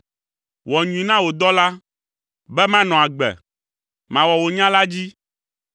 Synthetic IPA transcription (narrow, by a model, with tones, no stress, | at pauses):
wɔ˨ɲũ˨ĩ˨nã˦wo˨d̪ɔ˦la˦ | bɛ˦mã˦nɔ̃˨a˨ɡ͡bɛ̰˨ | mã˨wɔ˨wo˨ɲã˦la˦d͡ʑi˦